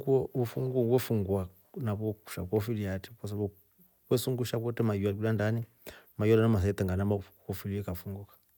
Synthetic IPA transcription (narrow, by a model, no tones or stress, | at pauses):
ɡuɔufuŋɡɔwwɛfuŋɡwa | naβɔku̥ʃa̰kɔfiliatikɔs̬aβɔ | kwɛsuŋɡuʃak̬ɔtɛmajuaiulandani | majɔɾanamas̬aɛtɛŋɡanamakkɔfiliɛkafuŋɡɔkḁ